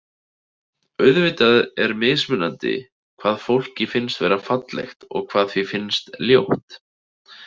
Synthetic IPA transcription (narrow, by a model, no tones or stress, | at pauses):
œɥðvɪːt̪aðɛɾmɪːsmʏnːant̪ɪ̰ | kʰv̥aːðfowl̥cɪfɪnst̪vɛːɾafat̪lɛ̰xt̪ɔ̰ɣkʰvaːðθvifɪnst̪ljowht̪